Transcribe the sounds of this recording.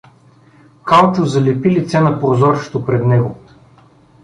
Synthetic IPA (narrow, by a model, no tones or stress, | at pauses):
kalˠt͡ʃʊzɐlɛpilit̪sɛnɐpɾozɔɾʃt̪opɾɛd̪nɛɡʊ